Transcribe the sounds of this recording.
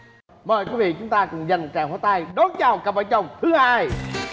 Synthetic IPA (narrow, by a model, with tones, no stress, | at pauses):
məː˨˩jkwi˨˦˥vḭ˧˨t͡ɕʊ˨˦ŋ͡mt̪aː˧kʊ̰˨˧˩ŋ͡mza˨˩nm˨˩t̚t͡ɕaː˧˩haː˧˦t̪aː˧jɗo˨˦nt͡ɕaː˧˩wka˨˩p̚ʔəː˧˩t͡ɕə˨˩wŋ͡mt̪ʰɨ˨˧˦haː˧j